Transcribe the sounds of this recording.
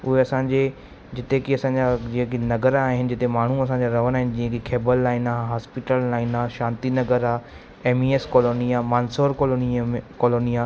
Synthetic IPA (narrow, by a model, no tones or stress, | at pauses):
ʊɦeɐsãːɲd͡ʑe | d͡ʑɪt̪ekiɐsãːɲd͡ʑad͡ʑĩɦə̃kinɐɡəɾaːɦɪnɪ̆d͡ʑɪt̪emaːɳ̤uɐs̬ãːɲd͡ʑaɾɐʋəñaːɦɪnɪ̆d͡ʑĩɦə̃kikʰeːbəlːaːɪnaːɦɦaːspɪʈəlːaːɪnaːʃãːnt̪inɐɡəɾaː | eːmieːskoːloːnijamaːnsoːɾkolonkoːloːnija